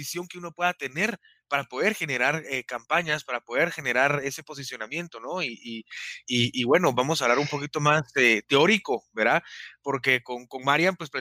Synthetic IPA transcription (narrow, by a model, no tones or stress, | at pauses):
isjo̞ŋke̞uno̞pwe̞ðat̪e̞ne̞ɾ | paɾapo̞ð̞e̞ɾxe̞ne̞ɾaɾekampaɲaspaɾapo̞ð̞e̞ɾxe̞ne̞ɾaɾe̞se̞po̞s̬isjo̞namje̞nt̪o̞no̞iʔiiːβwe̞no̞βamo̞saβlaɾumpo̞kit̪o̞maset̪e̞o̞ɾiko̞be̞ɾðapo̞ɾke̞ko̞ŋko̞nmaɾjampwespɾe